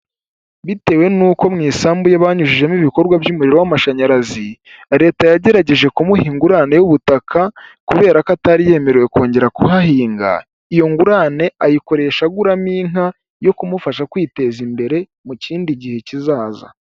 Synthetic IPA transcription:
βite̞ːwe̞nuːko̞mŋiːsaːmbujaβaːɲuʒiʒe̞miβiko̞ɾɡwabjumuɾiɾo̞wamaʃaɲaɾazi | ɾe̞ːtajaɟe̞ɾaɟe̞ʒe̞kumuhiːŋɡuɾane̞juβutakʰakuβe̞ːɾakataɾije̞me̞ɾewe̞ko̞ːɲɟe̞ɾakuɦahiːŋɡa̰ | ijo̞ŋɡuɾaːne̞ajiko̞ɾe̞ːʃaɡuɾamiːŋ̥a | jo̞kumufaʃakwiːte̞zimbe̞ɾe̞ | muciːndiɟihe̞cizaːza̰

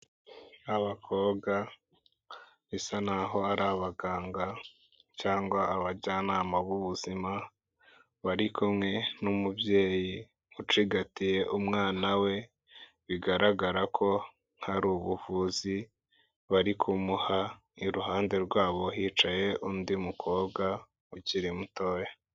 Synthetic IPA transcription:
aβakʰo̞ːɡa | βisanaɦo̞aɾaβaɡaːŋɡa | caːŋɡwaːβaɟaːnaːmaβuβuzima | βaɾikumŋe̞numubje̞ːji | ut͡ʃiɡatije̞ʔumŋaːnawe̞ | βiɡaɾaɡaɾakʰo̞ | n̥haɾuβuvuːzi | βaɾikʰumuha | iɾuɦaːnde̞ɾɡwaːβo̞ɦiːt͡ʃaje̞ʔundimukʰo̞ːɡa | uciɾimuto̞ːja

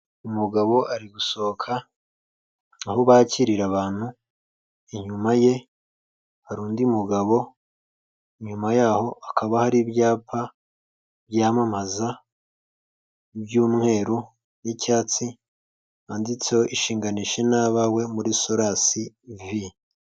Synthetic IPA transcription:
umuɡaβo̞ʔaɾiɡuso̞kʰa | ahoβaːciɾiɾaβaːn̥hu | iɲumaje̞ | aɾuːndiumuɡaβo̞ | iɲumajaːho̞ʔakʰaβahaɾibjaːpʰa | bjaːmamaza | bɟuːmŋe̞ːɾu | nicaːt͡si | aːndit͡sejoʔiʃiːŋɡaniʃe̞naβawe̞muɾiso̞ɾasi | vi

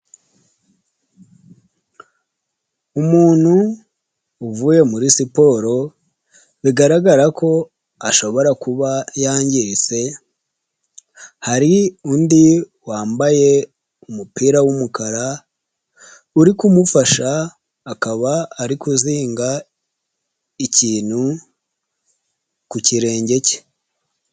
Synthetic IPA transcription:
umuːn̥huː | vuːje̞muɾisipo̞ɾo̞ | βiɡaɾaɡaɾakʰo̞ | aʃo̞βo̞ɾakuβajaːɲɟise̞ | haɾiundi | waːmbaje̞ | umupiːɾawumukaɾa | uɾikumufaʃaː | kaβaːɾikuziːŋɡa | iciːn̥hu | kuciɾe̞ːɲɟe̞ce̥

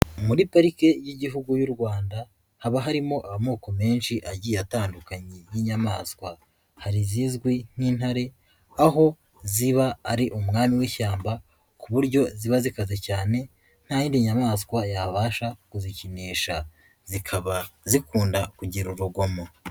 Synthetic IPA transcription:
muɾipaɾike̞jiɟiɦuɡujuɾɡwaːnda | haβaɦaɾimo̞ʔamamuːko̞me̞ːnʃiʔaɟiataːndukaɲejiɲamaːskwa | haɾizizɡwin̥iːn̥haɾe̞ | aɦo̞ | ziβaːɾiʔumŋaːmiwiːʃaːmba | kuβuɾɟo̞ziβazikaze̞caːne̞ | n̥haːjiːndiɲamaːskwajaβaːʃakuziciniːʃa | zikʰaβazikuːndakuɟiɾuɾuɡo̞ma

